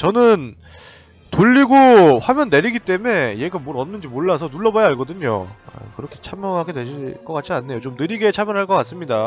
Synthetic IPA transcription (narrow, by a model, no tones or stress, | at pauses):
t͡ɕʌnɯn | toʎːiɡoɸwamjʌnːe̞ɾiɡit͈e̞me̞je̞ɡamwoɾʌnːɯnd͡ʑimoɭːas̬ʰʌnuɭːʌbaaɭɡʌdɯɲo̰a̰kɯɾʌkʰe̞t͡ɕʰamjʌŋɦaɡedwe̞ɕiɭk͈ʌk͈att͡ɕ͈ianːe̞jot͡ɕomnɯɾiɡe̞t͡ɕʰamjʌnɦaɭk͈ʌk͈ats͈ɯmɲida